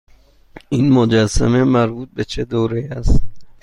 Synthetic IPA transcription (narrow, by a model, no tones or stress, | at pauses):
iːnmod͡ʒæsæ̰me̞mæɾbuːt̪̚bet͡ʃʰed̪oːɾejæst̪